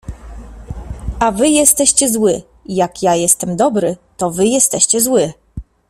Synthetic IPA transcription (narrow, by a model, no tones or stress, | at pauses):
avɘjɛst̪ɛɕt͡ɕɛzwɘ | jakjajɛst̪ɛmd̪ɔbɾɘt̪ɔvɘjɛst̪ɛɕt͡ɕɛzwɘ